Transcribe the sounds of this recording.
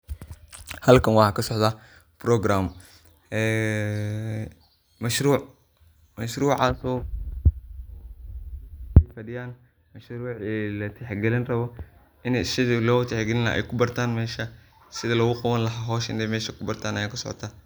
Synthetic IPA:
hɐlkʰɐnwɑħɑkʰɐsɔʕd̪a | brɔɡɾaːm | ɛː | mɐʃɾuːʕ | mɐʃɾuːʕaːsɔː | ɛjfɐɽɪjaːn | mɐʃɾuːʕɛːlɐt̪ʰɛħɡɛlɪnrɐβɔ | ɪnɛjsɪðɪlɔːt̪ʰɛħɡɛlɪnɐ̰ʔɛ̰jkʰʊbɐrt̪ʰaːnmɛːʃɐ | sɪðɐlɔɣʊqɑβɐnlɐɦaːɦɔːʃɪ̰nɛjmɛːʃɐkʰʊbɐrt̪ʰaːnɐjaːkʰɐsɔʕɔ̰t̪ʰaː

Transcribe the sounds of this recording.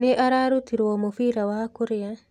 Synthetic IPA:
neʔaɾaɾutiɾwɔmofiːɾawakuɾɪa

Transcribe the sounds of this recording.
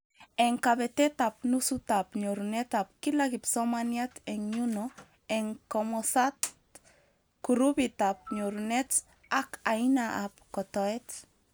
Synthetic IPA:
ɛŋkaβɛtɛt̪ap̚nusutapɲoɾunɛtap̚kilakipsɔmanjatɛŋɲunɔ | ɛŋkɔmɔsat | kuɾubit̪ap̚ɲoɾunɛt | akainaʔap̚kɔt̪ɔɛt

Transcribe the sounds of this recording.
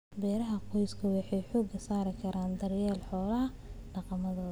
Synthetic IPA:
bɛːɾɐɦɐqɔjskʰɐwɑħɑjħɔːɡɐsaːɾɪkʰɐɾaːnd̪ɐrjɛːlħɔːlɐɐ | ɖɑqɑmɐðɔːɐ

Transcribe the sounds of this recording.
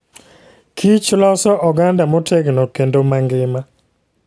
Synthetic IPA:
kʰit͡ʃlɔsɔʔɔɡandamɔtʰɛɡnɔkendomaŋɡɪma

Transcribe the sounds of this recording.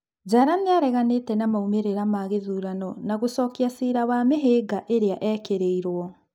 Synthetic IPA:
d͡ʒaɾaneaɾɛɣanetɛnamaumeɾeɾamaɣeðuːɾanɔnaɣosɔːkiasiːɾawameɦeːɡaʔeɾeaʔɛkeɾeiɾwɔ

